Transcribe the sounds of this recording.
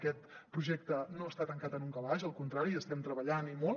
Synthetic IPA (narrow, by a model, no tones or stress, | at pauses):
kɛt̪pɾuʒɛk̚t̪ənoəst̪at̪əŋkat̪ənuŋkəβaʒəlˠkunt̪ɾaɾiəst̪ɛmt̪ɾəβəʎanimo